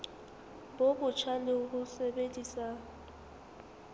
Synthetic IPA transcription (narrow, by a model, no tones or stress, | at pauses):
bobʊt͡ʃʰanɪʊkʊsɛɓedʼisa